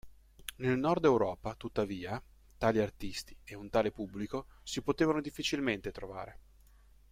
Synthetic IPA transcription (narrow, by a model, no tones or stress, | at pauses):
nelnɔrd̪ɛwɾɔːpat̪ut̪ːaviːa | t̪aːliart̪ist̪i̥eunt̪aːlepubːlikosipot̪eːvanod̪ifːit͡ʃilment̪et̪ɾova̰ːɾe